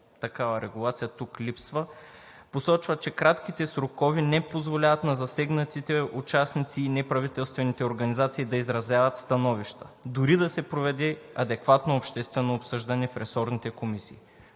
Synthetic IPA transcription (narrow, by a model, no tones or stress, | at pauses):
t̪ɐkavɐɾɛɡulˠat̪sijɐt̪uklʲipsvə | posɔt͡ʃvɐt͡ʃɛkɾat̪k̟it̪ɛsɾokɔvinɛpozvolʲavɐt̪nɐzɐsɛɡnɐt̪it̪ɛut͡ʃasnit̪siːnɛpɾɐvit̪ɛlˠst̪vɛnit̪ɛoɾɡɐnizat̪siːd̪ɐizɾɐzjavɐt̪st̪ɐnɔviʃt̪ə̥d̪ʊɾid̪ɐsɛpɾovɛd̪ɛɐd̪ɛkvat̪noːpʃt̪ɛst̪vɛnoːpsɤʒd̪ɐnɛfɾɛsɔɾnit̪ɛkomisiː